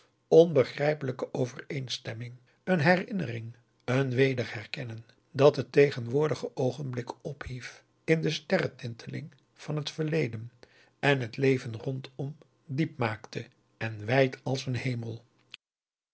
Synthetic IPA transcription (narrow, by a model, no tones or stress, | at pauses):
ɔnbəχrɛjpələkəʔowvərejnstɛmɪŋ | ənɦɛrɪnərɪŋ | ənʋejdərhɛrkɛnən | dɑtətejχənʋʊːɹdəχəʔowχənblɪkɔphif | ɪndəstɛrətɪntʰəlɪ̰ŋ | v̥ɑnɦətfəɹlejdən | ɛnɦətlejvənrɔntʰɔm | dip̚maːktʰə | ɛnʋɛjtʰɑlˠsənhejməlˠ